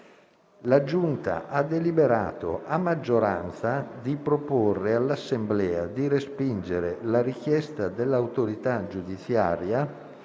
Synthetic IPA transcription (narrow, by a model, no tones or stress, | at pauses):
lad͡ʒunt̪a̰ʔad̪elibeɾa̰ːt̪o̰ʔamːad͡ʒːoɾa̰nt̪sad̪ipɾoporːealːasːemblɛːad̪iɾespind͡ʒeɾelaɾik̟jɛst̪ad̪elːawt̪oɾit̪ad͡ʒud̪it̪sja̰ːɾja